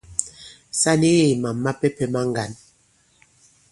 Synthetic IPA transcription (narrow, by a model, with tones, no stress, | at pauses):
sa˦ni˦ɣe˦˨i˨ma˨mːa˦pɛ˦pɛ˨ma˦ŋ˦ɡa˨n